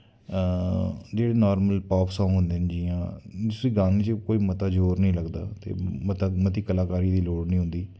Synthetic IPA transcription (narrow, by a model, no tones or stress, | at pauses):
d͡ʒeːɽeːnɔːɾməlpɔːpsãːŋɦʊ̃nd̪eːnd͡ʒiːãːd̪ʊsiːɡãːniːt͡ʃəkoːiːmət̪aːd͡ʒoːɾnəĩːləɡd̪a̰ːt̪ḛːmət̪aːmət̪iːkəlaːkaːɾiːd̪iːloːɽnĩːɦʊ̃nd̪iː